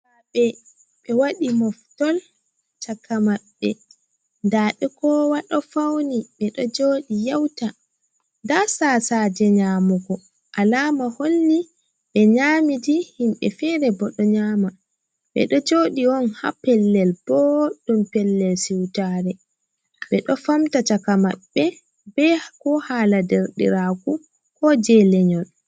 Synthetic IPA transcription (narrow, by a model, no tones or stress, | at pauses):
aɓɛ | ɓɛwaɗimɔftɔl | t͡ʃakːamaɓːɛ | ndaːɗɛkɔwaɗɔfawniɓɛɗɔd͡ʒoːɗijawta | ndasaːsad͡ʒɛɲamuɡɔ | ʔalaːmaholːi | ɓɛɲaːmidihimɓɛ̰fɛɾɛbɔɗɔɲaːma | ɓɛ̰ɗɔd͡ʒoːɗiɔnha̰pɛlːɛlb̥ɔɗumpɛlːɛlsiwtaɾɛ | ɓɛɗɔfamtatakama̰ɓːɛ | bɛkɔhaːladɛɾɗḭɾaku | kɔd͡ʒɛlɛɲɔn